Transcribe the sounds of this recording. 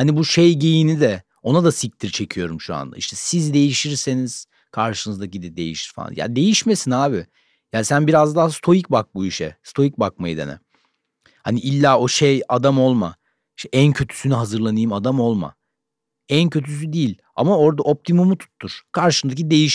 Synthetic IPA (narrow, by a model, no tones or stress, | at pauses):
hanibuʃejɟe̞jinid̪ɛ | o̞nad̪asic̚t̪ʰiɾt͡ʃʰe̞cʰijo̞ɾumʃua̰nd̪a̰ḭʃt̪ʰɛsizd̪e̞jiʃiɾseniz̥ | kʰaɾʃɯnɯzd̪acid̪ɛd̪e̞jḭʃi̥ɾ̥fa̰a̰ja̰d̪e̞jiʃme̞sinaːbɪ | jaːsænbiɾazd̪aːst̪ʰo̞jicbak̚buiʃɛ̰st̪ʰo̞jic̚bakmajid̪ḛnɛ̰ | haniʔilʲːaːo̞ʃejad̪amo̞lˠma̰ | iʃt̪ʰɛʔæncʰø̞t̪ʰy̥synyɦazɯɾlˠanɯjmad̪amo̞lˠma̰ | æncʰø̞t̪ʰys̬yd̪iːlʲ | a̰mao̞ɾd̪aʔo̞p̚t̪ʰimumut̪ʰu̥t̪ʰːuɾ̥kʰaɾʃɯnd̪ac̬id̪e̞jiʃ